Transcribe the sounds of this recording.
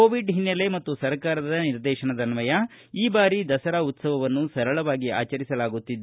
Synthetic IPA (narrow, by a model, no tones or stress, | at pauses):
koːʋiɖɦinːɐle̞mɐt̪ːusɐɾkaːɾɐd̪ɐniɾd̪ɛːʃɐɳɐd̪ɐnʋɐjɐ | iːbaːɾid̪ɐsɐɾaut̪sɐʋɐʋɐnːusɐɾɐɭɐʋaːɡia̰ːt͡ʃɐɾisɐlaːɡut̪ːid̪ː